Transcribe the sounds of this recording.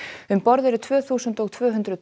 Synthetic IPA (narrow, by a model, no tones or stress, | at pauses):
ʏmpɔɾðɛɾʏt̪ʰvœːθuːsənt̪ɔɣt̪ʰvœːɦʏnt̪ɾʏð